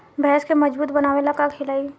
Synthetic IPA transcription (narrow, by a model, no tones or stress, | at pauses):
bʱɛːskemɐd͡ʒbuːt̪bɐnaːʋelakakʰɪlaːi